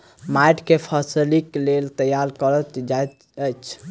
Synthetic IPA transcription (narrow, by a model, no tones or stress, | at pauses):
majʈkepʰasiliklelt̪əjaɾkəɾət̪d͡ʒaj | əjt͡ʃʰ